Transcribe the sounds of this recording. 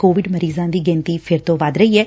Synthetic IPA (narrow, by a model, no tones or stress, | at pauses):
koːʋɪɖməɾiːzãːd̪iːɡɛ̃ːnt̪iːpʰɪɾt̪õːʋaːd̪ɾəiːɛː